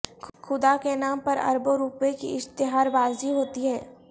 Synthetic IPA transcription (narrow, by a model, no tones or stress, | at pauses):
xʰʊd̪akenaːmpɐɾɐ̰ɾboɾuːpekḭɪst̪ɪɦaːɾbaːziɦoːt̪iɦɛː